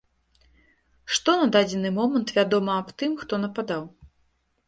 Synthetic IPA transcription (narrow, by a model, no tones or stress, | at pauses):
ʂt̪ɔnɐd̪ad͡zʲɛnɨmɔmɐnt̪vʲad̪ɔmɐːpt̪ɨmxt̪ɔnɐpad̪aw